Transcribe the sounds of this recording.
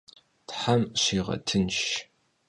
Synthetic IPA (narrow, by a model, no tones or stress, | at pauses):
tħamɕiːʁɐ̰tʰɨnʃ